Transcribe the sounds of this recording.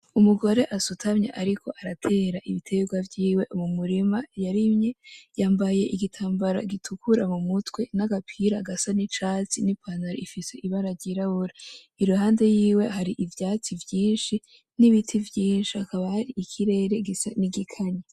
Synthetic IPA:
umuɡo̞ɾe̞ʔasutʰamɲa̰ʔaɾikʰo̞ʔaɾatʰe̞ːɾaʔiβitʰe̞ɡwavjiːwe̞ʔumumuɾimajaɾimɲejaːmbaje̞ʔiɡitʰaːmbaɾa̰ɡitʰukuɾamumutwe̞naɡapʰiɾaɡasanit͡ʃaːt͡sinipʰanaɾo̰ifise̞ʔiβaɾaɾɟiɾaβuɾa | iɾuɦaːnde̞jiːwe̞ɦaɾiʔivjaːt͡sivjiːnʃi | niβitʰivjiːnʃiakaβahaɾiikʰiɾe̞ːɾe̞ɡisaniɡikʰaɲe

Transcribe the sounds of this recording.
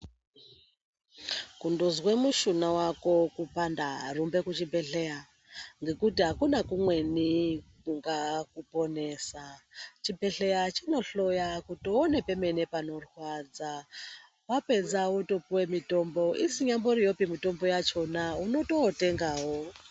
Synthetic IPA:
kundozwemuʃunawako̞kupandarumbe̞kut͡ʃibʱe̞ɬea | ŋɡe̞kutiɦakunakumwe̞nikuŋɡakupo̞ne̞ːsat͡ʃibe̞ɬe̞jat͡ʃino̞ɬo̞jakutoone̞pe̞me̞ne̞pano̞rwad͡za | wape̞d͡zawotopuwe̞mito̞mbo̞ʔisiɲamboɾijo̞pimito̞mbo̞jat͡ʃo̞nauno̞to̞ːte̞ŋɡaːwo

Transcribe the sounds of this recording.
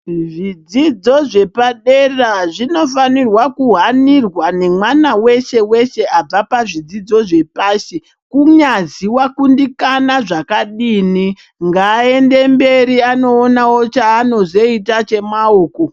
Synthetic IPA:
ʐid͡zid͡zo̞ʐe̞paɗeraʐino̞fanirwakuɦanirwane̞mwanawe̞ʃe̞we̞ʃe̞ab͡vapaʐid͡zid͡zo̞ʐe̞paːsi | kuɲaziwakundikanaʐakaɗiːni | ŋɡaːe̞ndembe̞ɾiano̞ːnawo̞t͡ʃaːno̞zo̞itat͡ʃe̞maoːko

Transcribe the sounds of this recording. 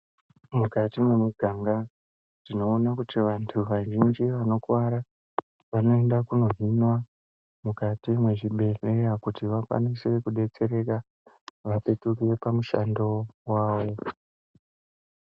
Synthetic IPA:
mukatimwe̞muɡʱaŋɡa | tino̞ːnakutiʋantʰuʋaʒind͡ʒiʋano̞kwaɾa | ʋano̞endakuno̞ɦinwa | mukatimwe̞ʐiɓe̞re̞jakutiʋakwa̰nise̞kuɗe̞t͡se̞ɾe̞ka | ʋape̞tuk̬ire̞pamuʃa̰ndo̞waːʋo̞

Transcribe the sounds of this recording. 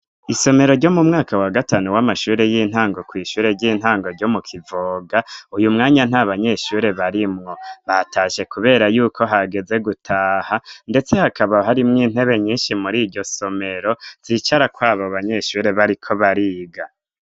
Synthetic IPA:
iso̞me̞ɾo̞ɾɟo̞mumŋaːkawaɡataːnuwamaʃuːɾe̞jiːn̥haːŋɡo̞kwiːʃuːɾe̞ɾɟiːn̥haːŋɡoɾɟo̞mukʰivoːɡaujumŋaːɲan̥aβaɲe̞ʃuːɾe̞βaɾimŋo̞βatʰaʃe̞kuβe̞ːɾajuːkʰo̞ɦaɡe̞ze̞ɡutʰaːhande̞t͡se̞hakʰaβaɦaɾimŋiːn̥he̞βe̞ɲiːnʃimuɾiːɾɟo̞so̞me̞ɾo̞z̥iːt͡ʃaɾakwaːβoβaɲe̞ʃuːɾe̞βaɾikʰo̞βaɾiːɡa

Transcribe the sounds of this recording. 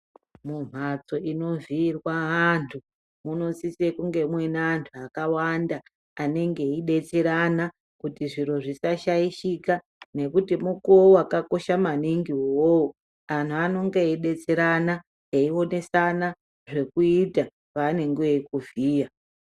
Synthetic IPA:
mum̤at͡so̞ʔino̞virwaantʰu | muno̞sisekuŋɡe̞mwe̞naːntʰuakawandaː | ne̞ŋɡe̞iɗe̞t͡seɾana | kutiʐiɾo̞ʐisaʃaiʃika | ne̞kutimukouakako̞ʃamaniŋɡiwowo | antʰuano̞ŋɡeiɗe̞t͡seɾana | eio̞ne̞sana | ʐe̞kuita | pane̞ŋɡeikuviːja

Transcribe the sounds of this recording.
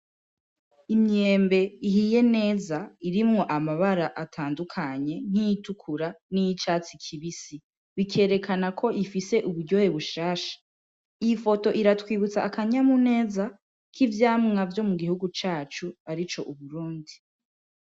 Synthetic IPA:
imɲeːmbe̞iɦije̞ne̞ːzaiɾimŋo̞ʔamaβaɾaʔatʰaːndukʰaɲe̞n̥hijitukʰuɾanijit͡ʃaːt͡sikʰiβisi | βikʰe̞ːɾe̞kanakʰo̞ʔifise̞ʔuβuɾɟo̞he̞βuʃaːʃḁ | iifo̞to̞ʔiɾatwiːβut͡saʔːkaɲamune̞ːza | kʰivjaːmŋavjo̞muɡihuɡut͡ʃaːt͡ʃuaɾit͡ʃo̞ʔuβuɾuːndi

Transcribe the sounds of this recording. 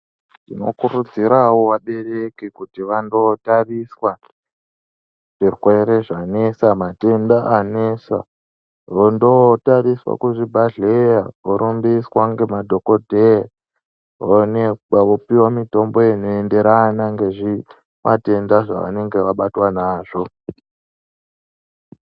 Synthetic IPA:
dino̞̰kuɾud͡ziɾawoʋaɓe̞rekikutiʋando̞tariswa | ʐ̥ixwe̞ɾe̞ʐane̞samate̞ndaʔanesa̰ | ʋondotariswa̰kuʐibʱaɮejaʋoɾumbiswaŋɡe̞madʱo̞kodʱea | oneaʋopiwamito̞mbo̞jenoe̞nde̞ɾanaŋɡe̞ʐi | mʔa̰te̞ndaʐa̰ʋa̰ne̞ŋɡe̞ʋaɓatwanaːʐo̞

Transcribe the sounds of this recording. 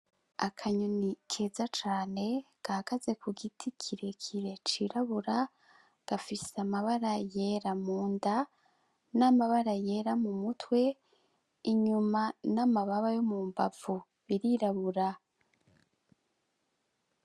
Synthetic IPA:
akʰaɲonikʰe̞ːzat͡ʃaːne̞ | ɡ̥aakaze̞kʰuɡitʰikʰiɾe̞kʰiɾe̞t͡ʃiɾaβuɾa | ɡ̥afiseamaβaɾaje̞ɾamuːnda | namaβaɾaje̞ːɾamumutʰwe̞ | iɲumanamaβaβajomuːmba̰vu | βiɾiɾaβuɾa

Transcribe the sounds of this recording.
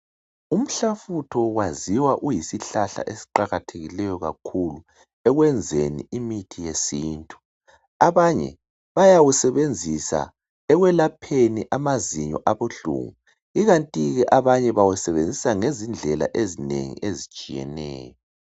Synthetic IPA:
um̩ɬafutʰɔɣwaziwaʔujisiɬaɬa̰ʔesi̥ǃaɣatʰeɣilɛjɔɣa̰kʰulu | ɛɣwɛnd͡zʱenḭʔimitʰijesiːntʼu̥ | aβaɲɛ̰ | βajawusɛβend͡zʱisa̰ | ɛɣwɛlapʰeniʔamaziɲɔ̰ʔaβoɬṵŋu | iɣantʼiɣɛʔaβaɲɛβawɛsɛβend͡zʱisaŋezind͡ɮʱɛla̰ʔezinḛŋḭʔezit͡ʃʼijɛ̰nɛ̰ːjɔ

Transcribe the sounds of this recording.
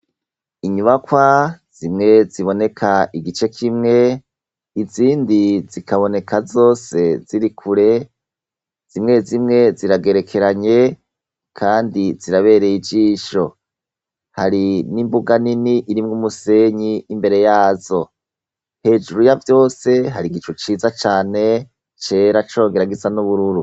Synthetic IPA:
iɲuβakwaz̥imŋe̞ziβo̞ne̞kʰaiɡit͡ʃe̞kʰimŋe̞ | iziːndizikʰaβo̞ne̞kazo̞ːse̞ziɾikʰuɾe̞ | z̥imŋe̞zimŋe̞ziɾaɡe̞ɾe̞kʰe̞ɾaɲe̞ | kʰaːndiziɾaβe̞ːɾe̞jid͡ʒiːʃo̞ | haɾinimbuɡaniniʔiɾimŋumuse̞ɲiːmbe̞ɾe̞jaːzo̞ | he̞ːd͡ʒuɾujavjo̞ːse̞ɦaɾiɡit͡ʃut͡ʃiːzat͡ʃaːne̞ | t͡ʃe̞ɾat͡ʃo̞ːŋɡe̞ɾaɡizanuβuɾuɾu

